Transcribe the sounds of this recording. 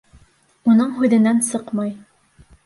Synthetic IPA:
unɤɴɦʉðɘ̆nænsɤqmɑj

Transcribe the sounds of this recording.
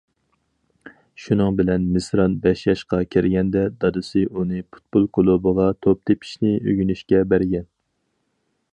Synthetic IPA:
ʃunɨŋbɪlɛnmɪsɾɑnbɛʃjɑʃqɑkʲʰiɾɡʲɛnd̪ɛd̪ɑd̪ɨsɨʔunɨpʰu̥t̪̚bolˠkʰolˠubəʁɑt̪ʰop̚t̪epʰi̥ʃnɪø̰ɡʲynyʃkʲɛbæɾɡʲɛn

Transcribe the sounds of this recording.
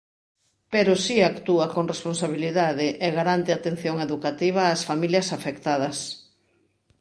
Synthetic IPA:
peɾosiakt̪uakoŋresponsaβiliðaðɪʔɛɣaɾant̪eat̪ẽn̟θjoŋeðukat̪iβ̞ɐːsfamiljɐsafekt̪að̞ɐs

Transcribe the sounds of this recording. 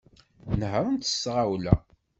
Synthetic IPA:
nhəwnt̪ə̥sːʁawlæ̰

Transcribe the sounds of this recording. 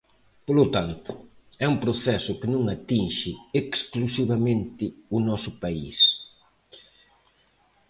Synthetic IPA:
polʊt̪ant̪ʊ | ɛumpɾʊθɛsʊkɪnũŋat̪inʃɪeksklusiβɐmẽnt̪ɪʊnɔsʊpaḭs

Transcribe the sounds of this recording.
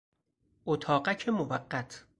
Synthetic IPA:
ʔot̪ʰɒːɢæcʰemovæɢːæt̪ʰ

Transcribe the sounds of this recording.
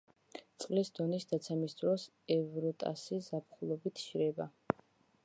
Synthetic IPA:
t̪sʼqʼlisd̪̥ɔnisd̪at̪sʰɛmisd̪ɾɔs | ɛvɾɔt̪ʼa̰sizapʰχulˠɔbit̪ʰʃɾɛba

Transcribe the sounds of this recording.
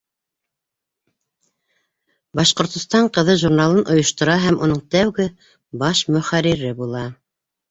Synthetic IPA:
bɑʃqŏɾt̪ŏst̪ɑɴqɤ̆ðɤʒuɾnalˠɤnʔŏjŏʃt̪ŏɾɑɦæmunɤɴt̪æwɡɘ | bɑʃmɵ̆χæɾiɾɘbulˠɑ

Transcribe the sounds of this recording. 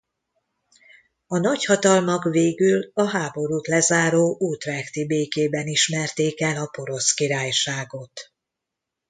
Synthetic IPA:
ɒnɒchɒt̪ɒlmɒkveːɡylɒɦaːbo̞ɾuːt̪lɛzaːɾoːʔuːt̪rɛkt̪ibeːkeːbɛniʃmɛrt̪eːkɛlɒpo̞ɾo̞skiɾaːjʃaːɡo̞t̪

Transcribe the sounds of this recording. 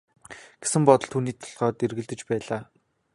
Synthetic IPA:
ɡ̥esɘ̆mpɔt̪ɞ̆ɮt̪ʰuːniːt̪ʰɔ̥ɮʁœːt̪erɣɘ̆ɮt̪ɘ̆t͡ɕpæːɮaː

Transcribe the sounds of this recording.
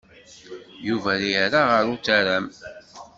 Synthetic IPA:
juvæliɾaʁəɾut͡sːæɾæm

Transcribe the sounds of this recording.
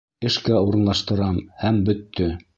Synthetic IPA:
ɘ̆ʃkæuɾɤ̆nlˠɑʃt̪ɤ̆ɾɑmhæmbɵ̆t̪ːɵ

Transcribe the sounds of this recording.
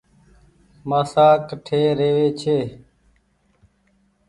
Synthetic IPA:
maːsaːkʈʰeːɾeːʋeːt͡ʃʰeː

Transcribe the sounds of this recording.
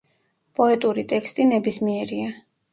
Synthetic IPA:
pʼɔɛt̪ʼuɾit̪ʼɛkst̪ʼinɛbismiɛɾia

